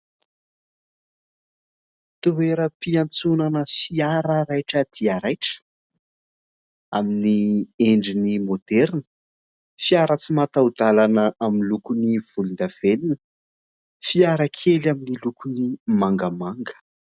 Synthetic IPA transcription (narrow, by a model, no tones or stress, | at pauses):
t̪uweɾəpiant͡sunanəfiaɾəɾajʈ͡ʂəd̪̥iaɾajʈ͡ʂə̥ | aminieɳɖ͡ʐinimod̪̥ɛɾnə̥ | fiaɾət͡simat̪aud̪̥alanəʔaminlukuniv̥ulund̪av̥elinə | fiaɾəkʰelaminilukunimaŋɡəmaŋɡə̥